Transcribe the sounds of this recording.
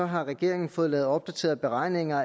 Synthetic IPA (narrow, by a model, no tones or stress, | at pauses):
ɒ̽ɦɑ̈ʁɛɡ̥e̝ɐ̰e̝ŋn̩fɔ̽ːð̩ˠlɛːð̩ˠɒ̽b̥̚d̥æt͡sʰe̝̰ːɐð̩ˠb̥e̝ʁɑ̈ɪ̰ne̝ŋɐ